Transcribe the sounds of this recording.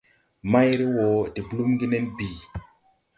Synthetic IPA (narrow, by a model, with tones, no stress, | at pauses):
ma˦jɾi˦wo˨di˨bu˨lu˦mɡi˦ne˦nbi˨